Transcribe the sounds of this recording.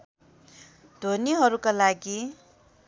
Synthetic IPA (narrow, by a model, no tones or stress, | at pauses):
d̪ʱoniɦʌɾukalaɡi